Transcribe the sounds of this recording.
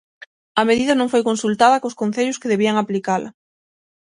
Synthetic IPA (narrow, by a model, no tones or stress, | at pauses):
ɐmeðiðɐnõŋfojkonsult̪aðɐkoskon̟θeʎʊskeðeβiɐŋaplikalɐ̰